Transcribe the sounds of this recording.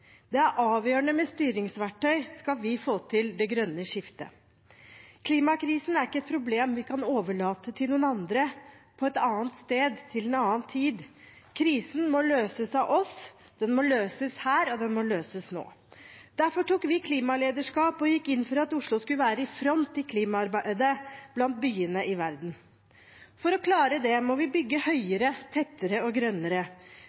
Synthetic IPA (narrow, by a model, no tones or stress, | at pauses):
d̪̥ɛæɾʔɑːʋjøːɳəmɛst̪yːɾɪŋsʋæʈʰːœʏskɑlʋɪfoːt̪ʰɪld̪ɛɡɾœnːəʂɪft̪ə̰ | kʰliːmɑkʰɾiːsn̩æɾɪkːəɛt̪̚pʰɾʊbleːmʋɪkʰɑnoːʋəɭɑːt̪ət̪ʰɪlnuːnɑnd̪ɾəpʰɔɛt̪ɑːənt̪st̪eːd̪t̪ʰɪlɛnɑːənt̪ʰiːd̪ | kʰɾiːsn̩mɔløːsəsɑʔɔs | d̪̥ɛnmɔløːsəshæːɾɔd̪ɛnmɔløːsəsno̰ː | d̪̥æɾfɔʈuːkːʋɪkʰliːmɑleːd̪əʂkɑːpɔjɪkːɪnːfɔɾɑt̪ʊʂɭʊskʉləʋæːɾəɪfɾɔnt̪ʰːɪlkʰliːmɑɑɾbæd̪əb̥lɑnt̪̚byːənəʔɪʋæɾd̪n̩ | fɔɾɔkʰlɑːɾəd̪ɛmɔʋɪbʏɡːəhœʏəɾət̪ʰɛt̪ːəɾəɔɡɾœnːəɾə